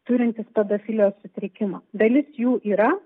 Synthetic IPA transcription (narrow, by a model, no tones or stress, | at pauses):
t̪ʊɾʲɪnʲt̪ʲɪspʲɛd̪oːfʲɪlʲoːssʊt̪ʲɾʲɪkʲɪmɐːd̪ɐlʲɪsjuːʔiːɾɐ